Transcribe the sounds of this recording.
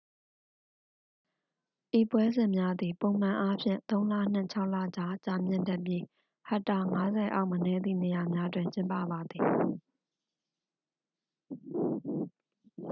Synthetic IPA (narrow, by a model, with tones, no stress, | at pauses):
ʔi˦˨pwɛ˦zɪ̃˨mja˦d̪i˨põ˨ʊ̃m̥ã˨ʔa˦pʰjɪ̰̃˦˨nt̪õ˦ʊ̃lä̰˦˨n̥ɪ̰̃˦˨t͡ɕʰa˦ʊʔla̰˦˨d͡ʑa˨t͡ɕa˨mjɪ̰̃˦˨ndɛ˦ʔpji˦ | ha˦˨tːa˨ŋa˦zɛ˨ʔa̰˦ʊʔmənɛ˦˨d̪ḭ˦˨ne˨ja˨mja˦dwɪ̃˨ɲt͡ɕɪ̃˦mpä̰˦˨ba˨d̪ði˨